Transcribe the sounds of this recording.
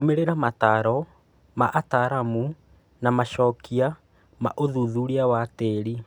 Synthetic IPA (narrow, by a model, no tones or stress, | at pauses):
meɾeɾamataɾɔ | maʔataɾamu | namaʃɔkia | ma̰ʔoðuðuɾiawateɾi